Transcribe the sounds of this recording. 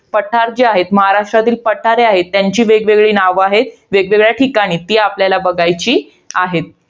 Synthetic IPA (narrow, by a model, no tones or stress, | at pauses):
pəʈʰaɾd͡ʑeaɦet̪məɦaɾaʂʈɾat̪iːlpəʈʰaɾeaɦet̪ːjaɲt͡ɕiːʋeɡʋeɡɭiːnaʋaɦet̪̚ʋeɡʋeɡɭjaʈʰikaɽ̃iːt̪iapljalabəɡajt͡ɕiː | aɦet̪̚